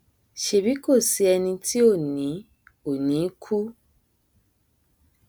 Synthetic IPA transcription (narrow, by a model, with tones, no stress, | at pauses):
ʃe˨bi˨˦ko˦˨si˧˦ɛ˧nĩ˧tʰi˦o˦˨nĩ˨˦ | o˨nĩ˨˦kʰu˦